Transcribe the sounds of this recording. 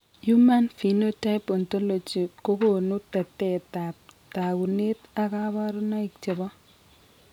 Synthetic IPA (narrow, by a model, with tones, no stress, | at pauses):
ju˦ma˦nfi˨no˦ta˦ɪpɔ˨nto˦lo˨t͡ʃi˨ko˦ko˨nu˦ta˨tːɛ˦˨ta˨p̚ta˨ku˨ne˦ta˨ka˦ba˦ɾu˦na˦ɪ˨k̚t͡ʃe˨bɔ˦